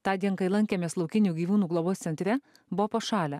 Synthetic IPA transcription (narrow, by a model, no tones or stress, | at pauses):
t̪ɑːd̪ʲiɛnkɐɪlˠɐŋʲkʲeːmʲeːslˠɒʊkʲɪnʲuːɡʲiːʋuːnuːɡlˠoboːst̪sʲɛnʲt̪ʲɾʲɛ | bʊopoːʃɑːlʲæ